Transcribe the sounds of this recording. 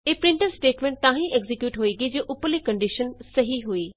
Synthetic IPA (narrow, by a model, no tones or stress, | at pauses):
eːpɾɪ̃ɳʈənsʈeːʈmẽːɳʈ̚t̪ãːɦĩʔeɡzikjuːʈɦoːiɡid͡ʑeːʔʊpəlekɐ̃ɳɖiʃənsɐɦiɦuiː